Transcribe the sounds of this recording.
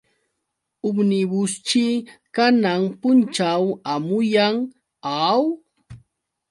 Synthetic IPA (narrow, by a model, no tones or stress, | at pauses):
ʊbnɪbʊst͡ʃɪkanaŋpʊnt͡ʃawamʊjaŋ | aw